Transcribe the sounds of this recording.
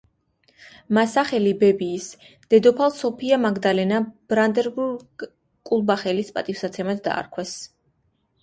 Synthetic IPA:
masaχɛlibɛbiːs | d̪̥ɛd̪ɔpʰalˠsɔpʰiamaɡd̪alɛnab̥ɾand̪ɛɾbu | kʼulˠbaχɛlispʼat̪ʼifsat̪sʰɛmad̪ʰd̪a̰ːɾkʰwɛs

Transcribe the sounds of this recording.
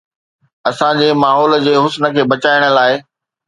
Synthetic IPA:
ɐsãd͡ʑeːmaːɦɔːld͡ʑeːɦʊsnə̆kʰeːbɐt͡ɕaːɪɽ̃ə̆laːɪ

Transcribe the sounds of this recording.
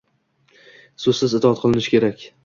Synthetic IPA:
sɵzsɪzɪt̪ʰɒɒt̪̚qʰɨlˠɪnɪʃkʲe̞ɾakʲ

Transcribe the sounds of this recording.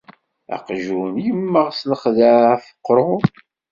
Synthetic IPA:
æ̰qʒunjəmːəʁsləχðəfə̥qːɾˤo

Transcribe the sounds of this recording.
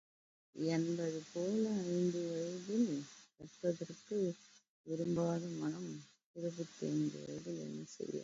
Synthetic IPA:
ɛnbɐðɯpoːlɐɪnɖɯʋɐɻðɪlʋɛʈpɐðɐrkːɯ | ɪɾɯmbaːðɐmɐnɐm | ɪɾɐβɯt̪ːḛndɯ̰ʋɐ̰ɻðɪlɛ̰nːɐsɛ̰jːɐ̰

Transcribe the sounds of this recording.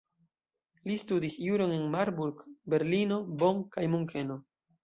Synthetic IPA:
listudisjuɾo̞ne̞nmaɾbuɾkbe̞ɾlino̞bo̞ŋkajmuŋkʰe̞no̞

